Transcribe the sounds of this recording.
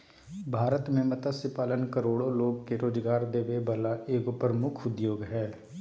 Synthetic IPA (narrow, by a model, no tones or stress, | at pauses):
bʱaːɾət̪mẽːmət̪asɪpaːlənkəɾoːɽõːloːkkeɾoːd͡ʒɡaːɾd̪eːʋeːbəlaːʔeːkʊpəɾəmʊkʰʊd̪joːɡɦɛː